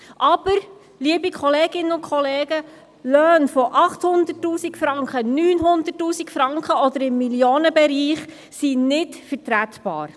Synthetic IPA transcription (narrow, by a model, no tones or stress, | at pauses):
ʔɑb̥əɾ | liəbikʰχɔleːɡɪnːənʊkʰχɔleːɡ̥ə | lœːnfɔʔɑχt̪hʊnd̪ətːuːsikfɾɑŋkχənyːnɦʊnd̪ətːuːsikfɾɑŋkχəɔd̪əɾɪmːiljoːnəbɛɾiːχ | sinɪtfəɾtɾæt̪b̥ɑ̰ːɾ